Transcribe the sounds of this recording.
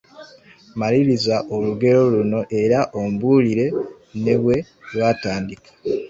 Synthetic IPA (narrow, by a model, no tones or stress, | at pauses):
maɾiɾizaʔoluɡe̞ɾo̞luno̞ʔe̞ɾaʔombuliɾe̞ | ne̞βwe̞ | lwaːtaːndikḁ